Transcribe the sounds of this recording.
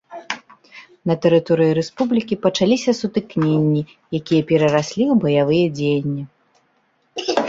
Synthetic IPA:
nɐt̪ɛɾɨt̪ɔɾɨjiɾɛspublʲikʲipɐt͡ʂalʲisʲɐsut̪ɨknʲenʲːi | jakʲijɐpʲɛɾɐɾasʲlʲiwbɐjavɨjɛd͡zʲejnʲːi

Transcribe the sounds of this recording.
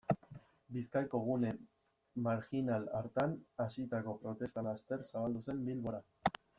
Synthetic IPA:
biskajko̞ɣ̞une̞ | maɾxinala̰ɾt̪anasit̪ako̞pɾo̞t̪e̞st̪alast̪e̞ɾsaβald̪use̞mbilβo̞ɾa

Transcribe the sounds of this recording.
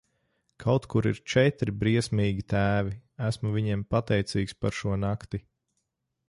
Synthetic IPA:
kʰawt̪kuɾiɾt͡ʃɛt̪ɾibɾiɛsmiːɡʲit̪æːviæsmuviɲɛmpat̪ɛjt̪siːkspaɾʃuɔnakt̪i

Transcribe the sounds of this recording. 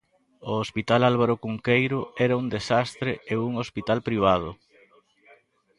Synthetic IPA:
oospit̪alalβ̞aɾokuŋkejɾʊɛɾɐuŋd̪esast̪ɾeeuŋospit̪alpɾiβ̞að̞ʊ

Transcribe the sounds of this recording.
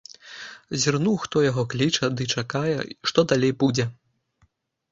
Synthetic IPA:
zʲirnuwxt̪ɔjaɣɔklʲit͡ʂɐd̪ɨt͡ʂakajɛ̰ʂt̪ɔd̪alʲejbud͡zʲɛ

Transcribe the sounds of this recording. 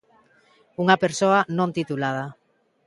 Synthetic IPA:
uŋapeɾsoanõnt̪it̪ulað̞a

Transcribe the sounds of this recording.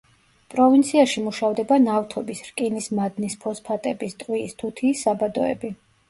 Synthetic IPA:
pʼɾɔvint̪sʰiaʃimuʃavd̪ɛbanaft̪ʰɔbisɾkʼinismad̪nispʰɔspʰat̪ʼɛbist̪ʼwiːst̪ʰut̪ʰiːsabad̪ɔɛ̰bi

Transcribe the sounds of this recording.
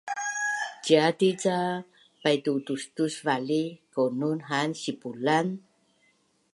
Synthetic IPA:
d͡ʒiatit͡sa | pajtutustusvalikonunɦansipulan

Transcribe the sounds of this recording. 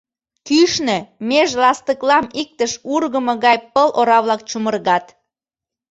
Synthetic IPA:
kyʃnemeʃlɑst̪əklɑmik̚t̪əʃurɣəmɤ̆ɣɑjpəlʔoɾɑβlɑk̚t͡ɕumərɣɑt̪

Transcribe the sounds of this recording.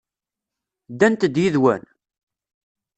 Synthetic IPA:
d̪ænt̪əd̪jiðwæ̰n

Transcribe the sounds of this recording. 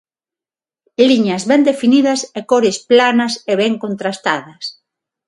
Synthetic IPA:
liɲɐzβɛnd̪efiniðɐsekoɾɪsplanɐseβɛŋkont̪ɾast̪aðɐs

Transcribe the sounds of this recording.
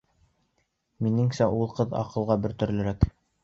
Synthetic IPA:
minɘŋsæʔulˠqɤðɑ̰qɤ̆lˠʁɑbɵ̆ɾt̪ɵ̆ɾlɘ̆ɾæk

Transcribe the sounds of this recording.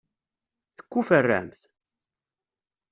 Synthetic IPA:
θə̥kʷːufərːæ̰mθ

